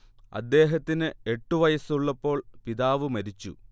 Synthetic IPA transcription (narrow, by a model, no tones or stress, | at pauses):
ɐ̰d̪ːe̞ːɦɐt̪ːinɨe̞ʈːuʋɐjɐsuɭːɐpːo̞ːɭpiðaːʋɨmɐɾit͡ɕːṵ